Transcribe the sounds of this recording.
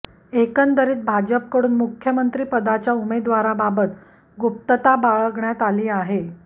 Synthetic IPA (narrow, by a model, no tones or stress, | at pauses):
ekənd̪əɾiːt̪̚bʱad͡ʑəp̚kəɽuːnmukʰjəmənt̪ɾiːpəd̪at͡ɕjaumed̪ʋaɾababət̪ | ɡop̚t̪ət̪abaɭəɡɳjat̪aliːaɦe